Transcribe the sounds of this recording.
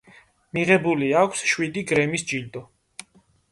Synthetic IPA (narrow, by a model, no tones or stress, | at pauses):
miʁɛbuliakʷʰsʃwid̪iɡɾɛmisd͡ʒild̪ɔ